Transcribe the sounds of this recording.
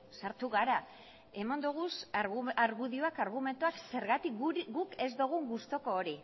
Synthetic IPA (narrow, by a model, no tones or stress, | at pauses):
saɾt̪uɣaɾa | e̞mand̪uɣ̞usaɾɣuðioakaɾɣume̞nt̪uakse̞ɾɣat̪ik̚ɡuɡuke̞zd̪oɣ̞uŋɡust̪o̞ko̞ːɾi